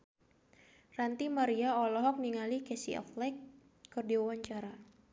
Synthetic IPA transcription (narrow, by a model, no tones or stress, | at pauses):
rant̪imaɾiaɔlɔɦɔk̚niŋalikɛsḭʔɔ̰flɛkː | ɨrdiwawaɲt͡ʃaɾa